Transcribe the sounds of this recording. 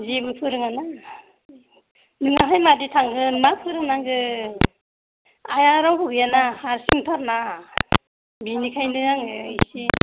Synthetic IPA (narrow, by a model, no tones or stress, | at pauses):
zibɯpʰɯɾɯŋana | nɯŋaɦajmaditʰaŋɡɯnmapʰɯɾɯŋnaŋɡɯ | ajaɾawbɯɡɯjanahaɾsiŋtʰaɾna | binikʰajnɯaŋɯisi